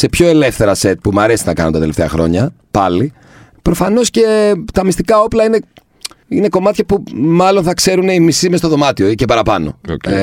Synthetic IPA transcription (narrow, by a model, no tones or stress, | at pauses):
se̞pço̞e̞lefθe̞ɾɐse̞t̪̚pumɐɾe̞sinɐkɐ̰nont̪ɐt̪ele̞ft̪eɐ̰xɾo̞̰ɲɐ | pɐli | pɾo̞fɐno̞sce̞t̪ɐmist̪ikɐo̞plɐine̞ | ine̞ko̞mɐt̪çɐpumɐlo̞nθɐkse̞ɾune̞imisimest̪o̞ðo̞mɐt̪io̞icepɐɾɐpɐno̞̰